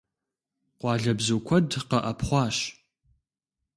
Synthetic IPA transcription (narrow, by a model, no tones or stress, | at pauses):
qʷɑːɮɐbzoːkʷʰɔdqɐʔɐpʰχʷɑːɕ